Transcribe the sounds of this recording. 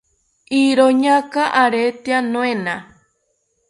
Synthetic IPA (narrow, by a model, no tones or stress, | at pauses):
iɾoɲãkaʔaɾet̪eanõẽnã